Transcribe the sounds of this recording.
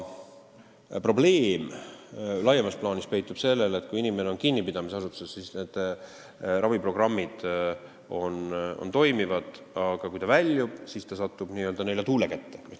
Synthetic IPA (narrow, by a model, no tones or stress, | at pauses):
pro̞ble̞ːm | lɑjːemɑsplɑːnispe̞jt̪ːˑub̥se̞lːelet̪ːˑkujinʲime̞neo̞nkinːipid̪̥ɑmiseɑs̬ut̪ːusessisne̞d̪̥ | rɑvipro̞ɡ̥rɑmːid̪̥ | o̞no̰nt̪o̞jmivɑd̪̥ | ɑɡ̥ɑkujt̪ɑvælʲːjub̥sist̪ɑsɑt̪ːub̥niːøld̪ɑnejlet̪uːlekæt̪ːe̥